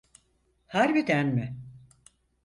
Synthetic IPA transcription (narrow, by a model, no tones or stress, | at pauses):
haɾbid̪ænmɪ